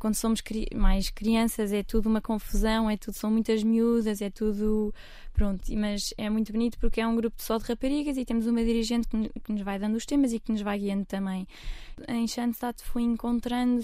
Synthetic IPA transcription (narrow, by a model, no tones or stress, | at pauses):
kwɐ̃nd̪usomuʃkɾimajʃkɾiɐ̃sɐzɛt̪uðuumɐkõfuzɐ̃w̃ɛt̪uðusɐ̃w̃mũj̃t̪ɐʒmiuðɐzɛt̪uðu | pɾõnt̪umɐzɛmũj̃t̪uβunit̪u̥puɾkɛũɡɾupud̪sɔðʁɐpɐɾiɣɐzit̪emuzumɐðiɾiʒẽnt̪̚k̪kɨnuʒvajðɐ̃nd̪uʃt̪emɐziknuʒvajɣiɐ̃nd̪ut̪ɐ̃mɐ̃j̃ | ɐ̰̃j̃ʃɐ̃nd̪sat̪fojẽŋkõnt̪ɾɐ̃nd̪u